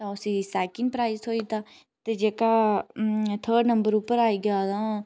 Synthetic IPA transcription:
t̪ãːʊsiːsɛːkɪ̃ŋɡpɾaːɪːsɦoːiːt̪aː | t̪eːd͡ʒeːkaː | t̪ʰəːɖnə̃mbəɾupːəɾaːiːɡaːd̪ãː

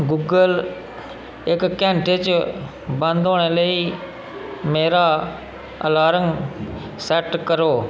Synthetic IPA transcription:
ɡuːɡəl | ɪkːɛ̃ːɳʈet͡ʃ | bə̃nd̪oːɽ̃eːləiː | meːɾaː | ə̰laːɾəŋ | sɛʈkəɾoː

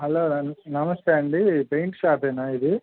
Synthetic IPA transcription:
ɦɐloːɐnɐmɐsʈaːɳɖipeɪɳʈsaːp̪eːnaːɪðɯ

